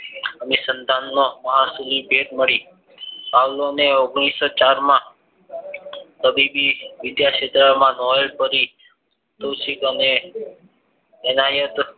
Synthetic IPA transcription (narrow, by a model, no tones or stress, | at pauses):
əmesənt̪anːoməɦasulibʱeʈməɭi | sawloneoɡɽ̃isot͡ʃaɾmã | k̪əbibiʋɪd̪jaʃet̪ɾamãnɔjlpəɾi | t̪əsikəne | najət̪